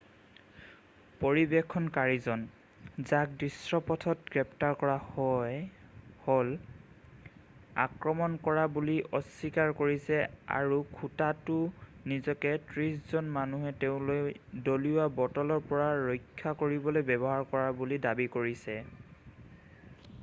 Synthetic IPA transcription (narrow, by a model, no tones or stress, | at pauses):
poɹibɛkʰːɔnkaɹizɔn | zak̚dɹisɹɔpɔtʰɔt̚ɡɹɛp̚taɹkɔɹahɔjhol | a̰kɹɔmɔnkɔɹabuliʔɔsːikaɹkoɹisɛa̰ɹukʰutatʊnizɔkɛtɹiszɔnmanuɦɛtɛʊ̃lojdoliwabɔtɔlɔɹpɔɹaɹɔjkʰːakoɹibɔlojbɛbɔɦaɹkɔɹabulidabikoɹisɛ